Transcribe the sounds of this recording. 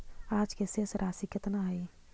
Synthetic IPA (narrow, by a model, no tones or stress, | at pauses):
aːd͡ʒkesesɾʔaːsikət̪naɦɐi